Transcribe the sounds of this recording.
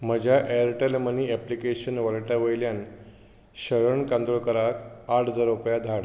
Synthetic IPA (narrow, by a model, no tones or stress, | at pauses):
m̤əd͡ʑʱaʔeɾʈelməniɛplikeɕənʋəɭʈaʋəjljan | ɕəɾəɳkãnd̪ɾokəɾakaʈʰd͡zɔɾupjad̪ʱaɽ